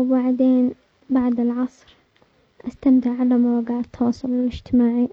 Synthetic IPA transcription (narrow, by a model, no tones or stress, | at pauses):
baʕd̪eːn | baʕd̪ɪlʕɑsˤɾ | ʔast̪amt̪ɪʕʕalamawaɡaʕt̪ʰːɑwɑːsˤʊlɪlɪd͡ʒt̪ɪmaːʕi